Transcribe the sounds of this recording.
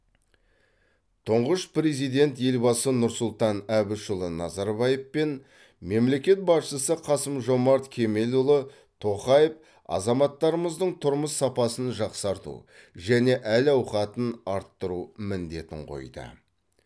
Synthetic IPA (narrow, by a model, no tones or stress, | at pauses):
t̪ʰʊɴʁəʃpɾe̞zijd̪e̞nt̪je̞lbɑsənʊɾsʊlˠt̪ɑnæbɪʃʊlˠənɑzɑɾbɑjefpe̞n | me̞mle̞kʲe̞t̪̚bɑsʃəsəqʰɑsəmʒo̞mɑɾt̪kʲʰe̞me̞lʊlˠə | t̪ʰo̞χɑjəf | ɑ̰zɑmɑt̪ːɑɾəməzd̪əɴt̪ʰʊɾməsːɑpɑsənʒɑqsɑɾt̪ṵʒæne̞ʔælɑwχɑt̪ənɑɾt̪ːəɾumɪnd̪e̞t̪ɪ̰ɴqʰo̰jd̪ə̰